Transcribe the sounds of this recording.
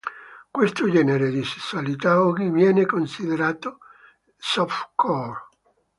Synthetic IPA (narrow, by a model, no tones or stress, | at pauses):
kwest̪od͡ʒɛːneɾed̪ise̥sːualit̪aɔɡivjɛːnekonsid̪eɾaːt̪o | sɔfkʰɔr